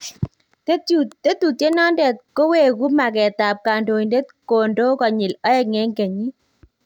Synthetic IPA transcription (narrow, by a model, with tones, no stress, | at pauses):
te˦tut̪e˦t̪u˨te˦nɔ˦ndɛ˨t̪̚ko˦we˨ku˦ma˨kɛ˨t̪a˨p̚ka˨ndo˨nde˦t̪̚ko˨ndo˦kɔ˨ɲɪ˨lɔ˦ɛ˦ŋɛ˦ŋke˨ɲi˦